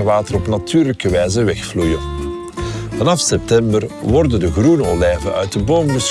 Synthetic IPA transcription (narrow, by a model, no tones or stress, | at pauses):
əʋaːtərɔpnatʰyːrləkəʋɛjzəʋɛxflujə | vɑnɑfsɛp̚tɛmbərʋɔrdəndəɣrunolɛːvənœ̰ɥt̚dəboːmbəs